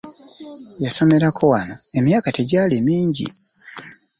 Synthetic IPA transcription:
jaso̞me̞ɾakʰo̞wanoemjaːkateɟaːlimiːɲɟḭ

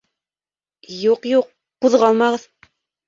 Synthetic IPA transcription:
juqjuqːuðʁɑlˠmɑʁɤð

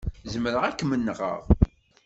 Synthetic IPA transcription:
zəməɾəʁækːmənːəʁə̰ʁ

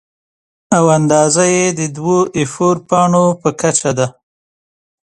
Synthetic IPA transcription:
awand̪ɑzajed̪əd̪woʔefoɾpɑɳopəkat͡ʃad̪a

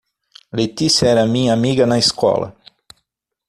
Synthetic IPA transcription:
let̪isjɐɛɾɐmĩɲɐamiɡɐnɐiskɔ̰lɐ̰

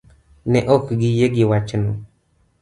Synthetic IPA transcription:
nɛʔɔkɡɪjeɡɪwat͡ʃno

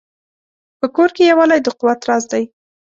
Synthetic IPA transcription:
pəkoɾkejawɑlajd̪əquwat̪ɾɑzd̪aj

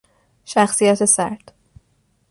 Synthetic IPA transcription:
ʃæxsijæt̪ʰesæɾt̪

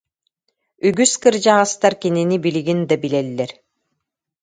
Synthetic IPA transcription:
yɡyskɯɾd͡ʑaʁast̪aɾkininibiliɡind̪abilɛlːɛɾ

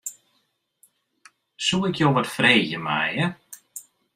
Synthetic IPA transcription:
sulˠɪkjoːʋɔtfreːɣəma̰jə

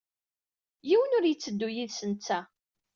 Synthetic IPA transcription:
jiwənʊɾjət͡sːəd̪ːujiðsənt͡sːæ

